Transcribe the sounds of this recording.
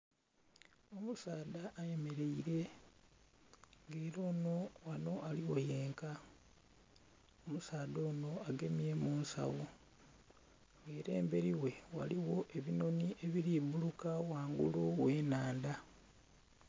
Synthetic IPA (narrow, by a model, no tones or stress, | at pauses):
omusaːdaʔːje̞me̞ɾe̞iɾe̞ | ŋɡeːɾo̞ːno̞wano̞ʔaliwo̞je̞ːŋka | omusaːdo̞ːno̞aɡe̞miemuːnsa̰wo | ŋɡeːɾe̞ːmbe̞ɾiwe̞waliwo̞ʔe̞βino̞niʔe̞βiɾibulukawaːŋɡṵluweːnaːnd̪a